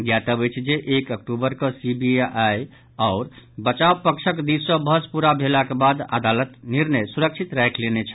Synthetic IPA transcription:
ɡjat̪əbəjt͡ʃʰd͡ʒeʔekəkʈubəɾkəsibiʔaj | aʊɾbət͡ʃawpəkt͡ʃʰəkd̪issə̃bʱəspuɾabʱelakebad̪a̰d̪alət̪niɾnəjsuɾək̚t͡ʃʰit̪ɾajkʰlenet͡ʃʰ

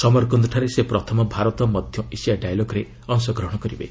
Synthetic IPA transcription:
sɔmɔɾkɔnd̪ɔʈʰaɾesepɾɔt̪ʰɔmɔbʱaɾɔt̪ɔmɔd̪ʱjɔʔisiaɖajaloɡɾe | ɔŋsɔɡɾɔɦɽ̃ɔkɔɾibḛ

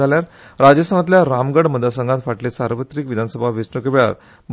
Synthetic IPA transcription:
aljaɾ | ɾad͡ʑəst̪ʰanat̪ljaɾamɡəɽməd̪ʱasəŋɡãt̪faʈlesaɾʋət̪ɾikʋid̪ʱanəsəbʱaʋisɳəkeʋeɭa̰ɾ | b

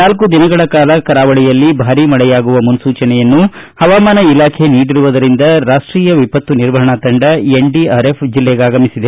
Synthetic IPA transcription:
naːlkud̪inɐɡɐɭɐkaːlɐkɐɾaːʋɐɭɛjɐlːibʱaːɾimɐɭɛjaːɡuʋɐmunsuːt͡ʃɐnɛjɐnːuhɐʋaːmaːnɐilaːkʰe̞niːɽiɾuʋud̪ɐɾind̪ɐɾaːʂʈɾiːjɐʋipɐt̪ʋuniɾʋɐɦɐɳɐt̪ɐɳɖɐeɳɖiaːɾepʰd͡ʒilːɛɡaːɡɐmisid̪e

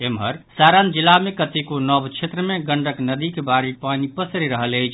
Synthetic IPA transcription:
emɦəɾsaɾand͡ʒilːamekət̪ikonɔbt͡ʃʰet̪ɾəmeɡəɳɖəknəd̪ikebaɾipanipəsɾiɾəɦələt͡ʃʰ

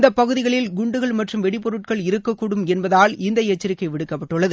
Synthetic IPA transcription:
nd̪ɐpːɐɣɯðɪɣɐɭɪlɡʊɳɖɯɣɐɭmɐʈrɯmʋɛɽɪpɔɾɯʈkɐɭɪɾɯkːɐkːuːɽɯmɛnbɐðaːlɪnd̪ɐjɛt͡ʃːɐɾɪkːɐɪʋɪɽɯkːɐpːɐʈːɯɭːɐðɯ

